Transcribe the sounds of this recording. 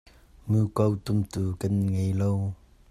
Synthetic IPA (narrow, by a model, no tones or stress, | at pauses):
mukowt̪ʊmt̪ukanŋejlow